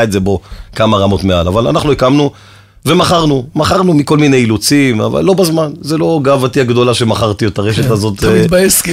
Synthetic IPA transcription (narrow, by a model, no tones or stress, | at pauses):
etzebo̞kamaʁamo̞tmeala̰vala̰naχnuikamnu | vemaχaʁnumaχaʁnumiko̞lmine̞jilut͡sima̰va̰lːo̞bazmanzelo̞ɡaːvatiaɡd̪o̞laʃe̞maχaʁt̪ietaʁeʃet̪azo̞tmit̚bajesk